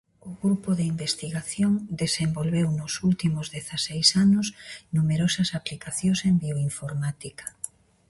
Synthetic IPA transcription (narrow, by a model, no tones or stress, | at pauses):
ʊɣɾupʊðeimbest̪iɣaθjoŋd̪esembolβewnʊsult̪imʊzðeθasejsanʊsnumeɾɔsɐsaplikaθjõsembioiɱfoɾmat̪ikɐ̥